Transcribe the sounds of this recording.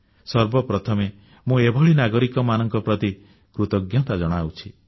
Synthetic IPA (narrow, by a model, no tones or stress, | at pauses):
sɔɾbɔpɾɔt̪ʰɔme | mũebʱɔɭinaɡɔɾikɔmanɔŋkɔpɾɔt̪i | kɾut̪ɔɡjɔt̪ad͡ʒɔɽ̃awt͡ʃʰi